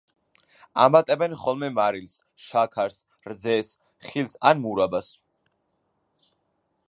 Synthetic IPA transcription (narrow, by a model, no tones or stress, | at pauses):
a̰mat̪ʼɛbɛnχɔlˠmɛmaɾils | ʃakʰaɾs | ɾd̪zɛs | χilsa̰nmuɾabas